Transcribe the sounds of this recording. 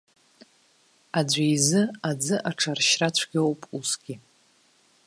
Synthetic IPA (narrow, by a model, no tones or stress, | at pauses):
ad͡ʑʷajzɨad͡zɨʔaʈ͡ʂʰarʃrat͡ɕʷʰɡʲowpʼusɡ̥ʲi